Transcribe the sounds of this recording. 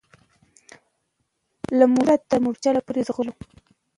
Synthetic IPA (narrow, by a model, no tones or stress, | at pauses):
lamʊɾat̪ːamʊɾt͡ʃalapʊɾɪd̪ʁʊlu